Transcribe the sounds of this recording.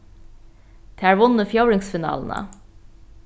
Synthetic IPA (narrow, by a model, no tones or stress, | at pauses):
d̪̥ʰeæːɹʋʊnəfjœʊɹɪŋsfɪnɑ̰ːln̩ə̰